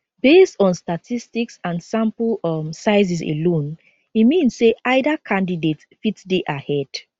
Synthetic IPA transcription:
b̥estɔ̃nstatʰistiksãnsãmpmsaɪz̬isḛlõn | imĩnsːeʔaɪdakʰãndidet | fitdeʔahɛd̥

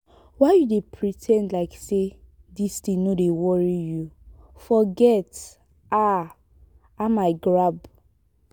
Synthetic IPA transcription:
waɪjudepʰɹitʰɛ̃ndlaɪkse | distĩnodewɔɹiju | fɔɡɛt | a | amaɪɡɹab

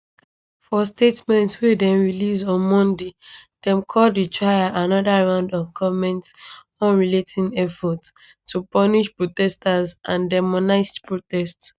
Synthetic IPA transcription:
fɔstetmɛ̃ntswedɛ̃mɹilizɔ̃nmɔ̃nded̥ɛ̃mkʰɔlditʰɹajaʔanɔdaɹãʊ̃ndɔvɡɔvmɛ̃nts | ɔ̃nɹiletʰĩnɛfɔt | tːupɔniʃpɹotɛstazʔãndɛmɔnaɪspɹotɛsts

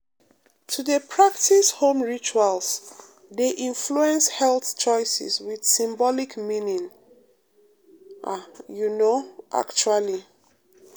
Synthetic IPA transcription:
tʰudəpʰɹaktishõmɹit͡ʃuals | deʔĩnfluɛ̃nshɛlθt͡ʃɔɪsɛ̰swið̥sĩmbɔlikmĩnĩŋ | ʔajunoʔa̰kt͡ʃuali

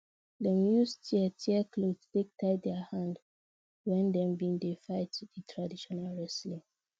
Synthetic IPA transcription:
dɛ̃mjustʰiətʰiəkʰlodstek̚tʰaɪdɛəhãnd | wɛ̃ndɛ̃mbiĩŋdefaɪtuditʰɹadiʃɔnalɹɛslĩ

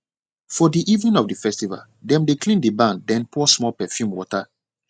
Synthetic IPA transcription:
fɔdiʔivnĩnɔvdifɛstiva̰l | dɛ̃mdeklĩndibãnddɛ̃npʰɔsmɔlpɛfjũmwɔta

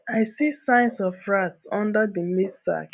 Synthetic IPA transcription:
aɪsisãɪ̃nsɔfɹatsɔ̃ndədəmidsa̰k

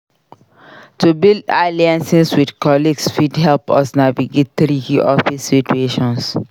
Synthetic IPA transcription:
tubilda̰liãnsiswidkɔliɡsfidhɛlpɔ̰snaviɡet̪θɾikiʔɔfisːitueʃɔ̃ns

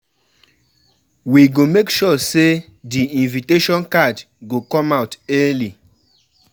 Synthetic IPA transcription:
wiɡomekʃɔse | diĩnviteʃɔ̃nkad | ɡokɔ̃maʊtɛli

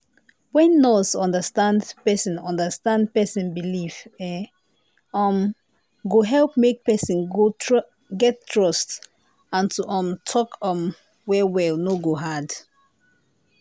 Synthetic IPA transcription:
wɛ̃nːɔsɔ̃ndəstãndpɛsĩnɔ̃ndəstãndpɛsĩnbilivɛ | ɔm | ɡoɦɛlˠpmek̚pɛsĩnɡo | ɡɛtːɹɔst | ãntuʔɔ̃mtʰɔkɔ̃m | wɛwɛlnoɡoɦad

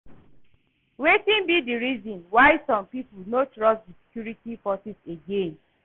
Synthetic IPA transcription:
wetĩnbidiɾizɔ̃nwaɪsɔ̃mpipulnotɹɔsdisi̥kjuɹitifɔsiseɡẽn

